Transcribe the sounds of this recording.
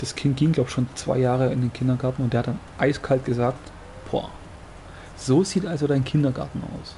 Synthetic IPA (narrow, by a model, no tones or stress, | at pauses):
d̥askʰɪnt̚ɡ̥iːŋɡ̥laʊb̥ʃoːnt͡sv̥a̰ɪjaːʁəɪndeːnkʰɪndɐɡaɐtn̩ʊntdeːɐhatd̥anʔaɪskʰalt̚ɡ̥əzaːkt | pʰo̰ɐ̰ | z̥oːziːtʔalzodaɪnkʰɪndɐɡa̰ɐtn̩a̰ʊs